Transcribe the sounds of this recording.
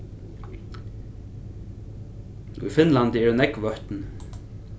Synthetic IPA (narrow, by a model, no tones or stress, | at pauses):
ṵjfɪnlant̪ɪɛɾnɛkʋœht̪n